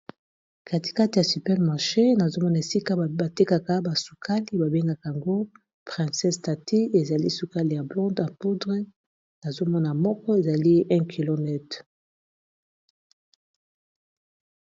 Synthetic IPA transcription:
ka˨ti̥˨ka˦ti˨ja˨sy˨pɛ˦ʁma˨ʁʃe˦na˨zo˦mɔ˦na˨e˨si˦ka˦ba˨te˦ka˨ka˨˦ba˨su˨kʰa˦li˦ba˨be˦ŋɡa˨ka˨a˨ŋɡo˦ | pʁɛ̃˨sɛ˦sta˨tʰi˦e˨za˨li˦su˨ka˦li˨ja˨blɔ̃˦ndã˨po˦dʁe˦ | na˨zo˦mɔ˦na˨mɔ˦kɔ˦e˨za˨li˦ʔɛ̃˦kʰi˨lo˨nɛ˦t

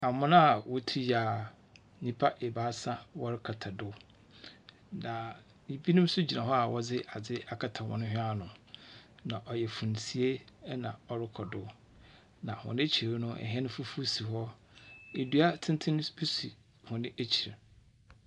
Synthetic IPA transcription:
a˨mʊ̃˦nã˦a˨wo˦tʰi˦ja˨ | ɲĩ˦pʰa˦ʔe˨baː˦sã˦wɔ˦ɾɪ˦kʰa˨tʰa˨dʊ˦ | nã˨ | i˨bi˦nʊ̃˦m˦sʊ˦d͡ʑi˨nã˨ɦɔ˦a˨wɔ˦d͡zɪ˦a˨d͡zɪ˦a˨kʰa˨tʰa˨wɔ̰̃˨nʊ̃˦ɦᶣɪ̃˦a˦nʊ̃˨ | nã˨ʔɔ˨jɛ˨fũ˨n˨si˨e˦nã̰˨ɔ˨ɾɪ˦kʰɔ˨dʊ˦ | nã˨hʊ̰̃˨nɪ̃˦t͡ɕʰi˨ɾnʊ̃˦ʔɛ̰˨ɦɛ˦nʊ̃˦fʊ˦fu˦si˨ɦɔ˦ | e˨du˦a˦tʰɪ̃˦ntʰɪ̃˦nʊ̃˦be˦si˨ | hʊ̃˨nɪ̃˦ʔe˦t͡ɕʰi˨ɾa˨

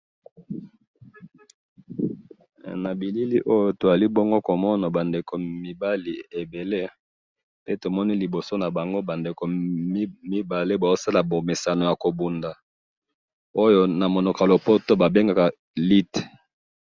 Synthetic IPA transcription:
na˨bi˨li˦li˦ʔo˦jo˦to˨za˨li˦bɔ˦ŋɡo˦ko˨mɔ˦na˨ba˨nde˨ko˨mi˨ba˦li˨e˨be˨le˦ | pe˦to˨mɔ˦ni˦li˨bo˨so˦na˨ba˨ŋɡo˦ba˨nde˨ko˨˦ | mi˦ba˨le˦ba˨o˦sa˦la˨bo˨me˨sa˨no˨ja˨ko˨bu˨nda˨ | o˦jo˦na˨mo˨no˨ka˨lo˨po˦to˦ba˨be˦ŋɡa˨ka˨ | li˦t

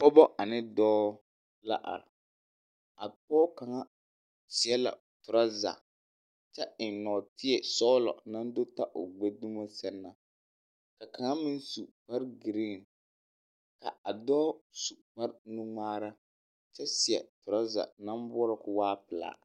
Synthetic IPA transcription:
pɔ˦bɔ˦ʔa˨nɪ˦dɔː˦ | la̰˦ʔa̰˨ɾ | a˨pɔː˦ka˨ŋa˦ | si˨ɛ˦la̰˨ | tʊ˨ɾa˦za̰˨ | t͡ʃɛ˦ɪ˨nnɔː˨tɪ˦ɛ˨sɔː˦lɔ̰˨na˦n˦do˦ta˦ʔo˨ɡ͡be˦du˦mo˦sɛ˦nːa˨ | ka˨ka˨ŋa˦mɪ˦n˦su˨pa˦ɾɡɪ˨ɾɪ˦˨n˨ | ka̰˨a˨dɔː˦su˨ma˦ɾnu˦ŋaː˦ɾa˦ | t͡ʃɛ˦si˨ɛ̰˨tʊ˨ɾa˦za̰˨na˦m˦bɔ˦ɾɪ˨kʊ˨waː˦pɪ˨la̰ː˨˦˨

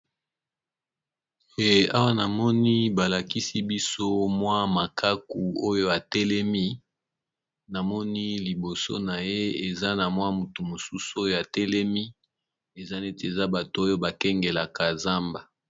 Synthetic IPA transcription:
e˨a˦wa˦na˨mɔ˦ni˦ba˨la˨ki˦si˦bi˦so˦mwa˦ma˨kʰa˦ku˨o˦jo˦a˨tɛ˦lɛ˦mi˦ | na˨mɔ˦ni˦li˨bo˨so̰˦na˨je˦e˨za˦na˨mwa˦mu˨tu˨mo˨su˦so˦jo˦a˨tɛ˦lɛ˦mi˦ | e˨za˦ne˦tːza˦ba˨to˨o˦jo˦ba˨kɛ˦ŋɡe˨la˨ka˨za˦mba˨

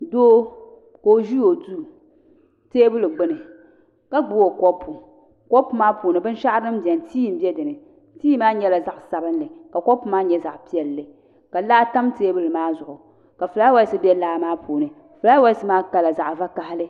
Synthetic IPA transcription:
doː˦ | ko˨o˨ʒi˦o˨du˦ | teː˦bɨ˦lɨ˨ɡ͡bɨ˦nɨ˨ | ka˦ɡ͡bu˦wo˨kɔ˦pʰu˨ | kɔ˦pu˦maː˦puː˨nɨ˨bɨ˦n˦ʃa˦ʔɾnɨ˦m˦bjɛ˨ntʰiː˦˨m̩˦bɛ˦dɨ˨nɨ˨ | tiː˦maː˦ɲɛ˦la˨za˦ʔsa˨bɨ˦n˦lɨ˨ka˨kɔ˦pu˦maː˦ɲɛ˦za˨ʔpi˦ɛ˨lːɨ˨ | ka˨laː˦ta˦mteː˦bɨ˦lɨ˨maː˦zʊ˨ʔʊ˨ | ka˨fɨ˨la˦wa˦sɨ˦bɛ˦laː˦maː˦pʰuː˨nɨ˨ | fɨ˨la˦wa˦sɨ˦maː˦ka˨la˨za˨ʔva˦ka˦hɪ˦lɨ˦

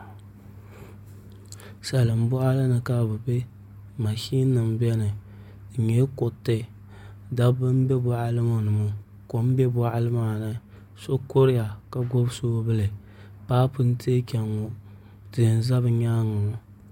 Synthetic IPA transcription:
sa˨lɨ˨m̩˦bʊ˦ʔa˦la˦nɨ˨ka˦˨bɨ˨be˦ | ma˨ʃi˦nɨ˨mbɛ˦nɨ˨ | ɲe˦ko˨tːɨ˦ | da˦bɨ˦m˦bɛ˦bɔ˦ʔa˦lɨ˦mo˨nɨ˨mʊ˦ | ko˦m˦bɛ˦bɔ˦ʔa˦lɨ˦maː˨nɨ˦ | so˦ko˦ɾɪ˦ja˨ka˦ɡo˦bsoː˦bɨ˦lɨ˨ | paː˦pɨ˦n̩˦tʰe˦kʲɛ˨ŋːo˨ | tɨ˨n˨˦za˦bɨ˨ɲaː˦ŋʊ˨ʊ˨

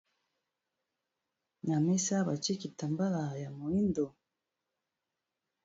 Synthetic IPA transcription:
na˨me˦sa˦ba˨t͡ʃi˦ki˨ta˨mba˦la˨ja˨mo˨i˦ndo˨

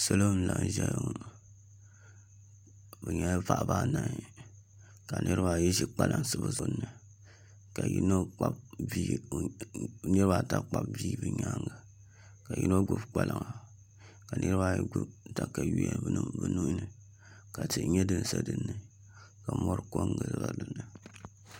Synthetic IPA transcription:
so˦lo˦n̩˦la˨ŋ˨ʒɛ˦j | bɛ˨ɲɛ˦va˨ʔba˦na˨ŋ˨ | ka˨nʔɨ˦ɾɨ˦ba˨jɛ˦ʒi˦k͡pa˦˨lʔa˨ŋsɨ˦ba˨zo˨˦nːɨ˨ | ka˨jḭ˦no˦k͡pa˦b̚vi˦ | nɨ˦ɾɨ˦ba˦˨ta˦k͡pa˦b̚viː˦bɨ˨ɲa˦ŋɡa˨ | ka˨ji˦no˦ɡu˦bk͡pa˦lʔa˨ŋa˨ | ka˨nʔɨ˦ɾɨ˦ba˦jɛ˦ɡu˦bta˦ka˨ji˦jɛ˦bɨ˦nɨ˦bɨ˨nu˦ʔnɨ˨ | ka˨tɨ˨ʔɲɛ˦dɨ˦n˦sa˦dɨ˦nːɨ˨ | ka˨mɔ˦ɾɨ˦ko˦ŋɡɨ˨zba˦dɨ˦nːɨ˨

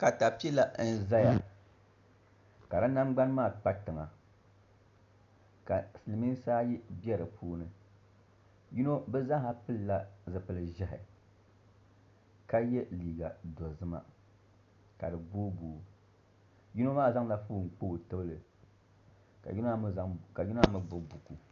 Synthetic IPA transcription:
ka˨ta˨pi˦i˦la˦n̩˦za˦ja˦ | ka˨ɾa˦na˦mɡ͡ba˦n˦maː˦˨k͡pa˦tɨ˨ŋa˨ | ka˨sɨ˨lɨ˨mi˦n˦saː˦ji˦bɛ˦ɾɨ˨pʰuː˦nɨ˨ | ju˦no˦bɛ˦za˦ha˦pɨ˦lla˦zɨ˨pɨ˨lɨ˨ʒɛ˦ɦɪ̰˨ | ka˦jɛ˦liː˨ɡa˨dɔ˨zɨ˦ma̰˨ | ka˨dɨ˨boː˦buː˨˦ | ju˦no˦maː˦˨za˦ŋla˦fuː˦˨ŋ̩˨k͡po˦˨tɨ˦bɨ˦lɨ˨ | ka̰˨ji˦no˦ka˨ju˦no˦a˦mɨ˦bʊ˦bu˨ku˨

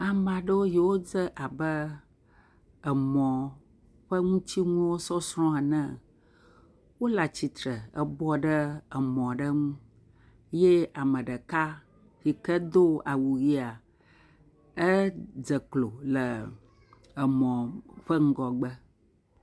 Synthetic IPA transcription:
a˨m˨ã˨ɖə˦wo˦ji˨wo˦d͡zə˦ʔa˨bə˦ | ə˨mɔ̃˨ | ɸə˦ŋũ˦t͡ɕi˦ŋũ˦wo˦sɔ˦sɾɔ̃˦a˨nə̃˦ | wo˦la˨t͡ɕi˨t̪ɾə˨ə˦bɔ˦ɖə˦ə˨mɔ̃˨ɖə˦ŋũ˦ | je˦a˨mə̃˨ɖə˨ka˦ | ɣi˨kə˦d̪o˦a˨wu˨ɣi˦a˨ | ə˦d͡zə˨klo˨lə˨ | ə˨mɔ̃˨ɸə˦ŋ̩˦ɡɔ˨ɡ͡bə˦

